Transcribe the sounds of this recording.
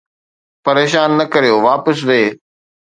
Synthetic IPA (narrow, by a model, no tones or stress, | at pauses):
pɐɾeːʃaːnːɐkɐɾijoʋaːpəsʋeː